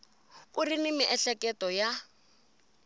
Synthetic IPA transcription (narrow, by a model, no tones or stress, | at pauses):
urinimiʔɛɬɛkʼɛtɔja